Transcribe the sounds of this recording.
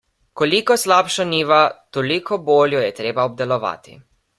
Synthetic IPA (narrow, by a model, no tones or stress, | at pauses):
kolikɔslaːpʃɔniːʋat̪olikʰɔboːljɔjɛt̪ɾeːbaɔb̚d̪ɛlɔʋa̰ːt̪ḭ